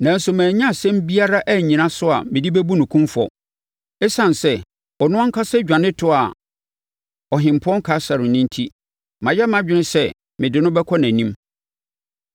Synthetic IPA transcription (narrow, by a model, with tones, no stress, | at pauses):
nã˨n̩˦sʊ˨mæ̃ː˨ɲ˦ã˦˨sɛ̃˦m˦bi˦a˦ɾa˦ʔæ˦ɲĩ˨nã˦sʊ˦a˨mɪ̃˨di˦bɛ˦bu˦nʊ̃˨kʰũ˦mfɔ̰˨ | ɛ˦sã˨n˨sɛ˦ | ɔ˨nʊ̃˦ã˦ŋ̩˦kʰa˦sɛ˦d͡ʑᶣã˨nɪ̃˦tʰʊ˦a˨ | ɔ˨ɦɪ̃˨m˨pʰʊ˦ɔ̃˦ŋ˦kʰa˨˦sa˨ɾɪ̃˨nĩ˦n˦tʰi˦ | mã˨jɛ˦mã˦d͡ʑᶣɪ˦nɪ̃˦sɛ˦˨ | mɪ̃˨dɪ˨˦nʊ̃˦bɛ˦kʰɔ˦næ̃˨nĩ˦m